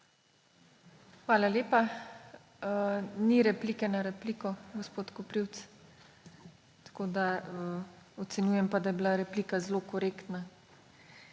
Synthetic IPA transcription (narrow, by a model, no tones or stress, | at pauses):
xʋaːlaleːpa | niɾɛplikɛnaɾɛpliːkɔɡospoːt̪kɔpɾiwt̪s | t̪ḁkoːd̪aəɔt̪sɛnjuːjɛmpad̪ajɛbilaɾɛpliːkazlokɔɾeːkt̪na